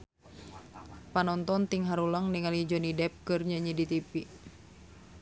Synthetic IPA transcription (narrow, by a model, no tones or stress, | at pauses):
panɔnt̪ɔnt̪iŋɦaɾuləŋniŋalid͡ʒɔnidɛp̚kɨrɲaɲidit̪ipi